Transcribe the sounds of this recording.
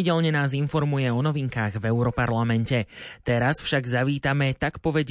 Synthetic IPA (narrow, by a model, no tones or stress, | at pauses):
iɟɛʎɲɛnaːzinfɔɾmujɛɔnɔʋiŋkaːɣvɛʊɾɔpaɾlamɛncɛt̪ɛɾasfʃaɡzaʋiːt̪amɛt̪akpɔʋɛɟ